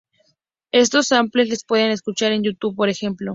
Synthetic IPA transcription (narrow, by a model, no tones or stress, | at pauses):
e̞st̪o̞sampleslespweðeneskut͡ʃaɾe̞njut̪uβpo̞ɾexe̞mplo